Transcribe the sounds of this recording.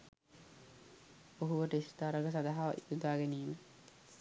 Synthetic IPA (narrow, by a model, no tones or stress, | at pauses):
oɦuʋəʈəist̪aːɾaɡəs̬ad̪aɦaʋa̰ʔit̪ud̪aːɡeniːme